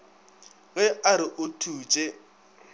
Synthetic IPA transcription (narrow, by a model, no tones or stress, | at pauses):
ɣɛaɾɪʔʊtʰuːt͡ʃʼɛ